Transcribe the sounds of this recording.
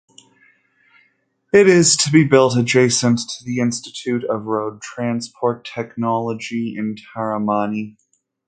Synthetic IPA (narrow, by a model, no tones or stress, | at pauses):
ɪɾɪz̥tʰɨbibɪlˠtɨd͡ʒeɪsɨ̃ntʰɨðiɪ̃nstɨtʰʉɾʌvɹoʊd̚tʰɹ̥æ̃nspʰɔɹtʰɛknɑlˠəd͡ʒiɪ̰̃ntʰɛɹəmɑni